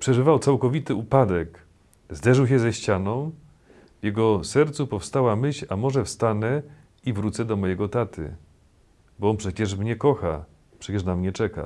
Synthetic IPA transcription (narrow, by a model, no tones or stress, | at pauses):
pʂɛʐɘvawt̪sawkɔvʲit̪ɘupad̪ɛk | zd̪ɛʐɘwɕ̬ɛzɛɕt͡ɕanɔ̃w̃ | vjɛɡɔsɛɾt̪supɔfst̪awamɘɕamɔʐɛfst̪anɛ | ivɾut̪sɛd̪ɔmɔjɛɡɔt̪at̪ʰɘ̰ | bɔɔnpʂɛt͡ɕɛʂmɲɛkɔxa̰ | pʂɛt͡ɕɛʂnamɲɛt͡ʂɛka̰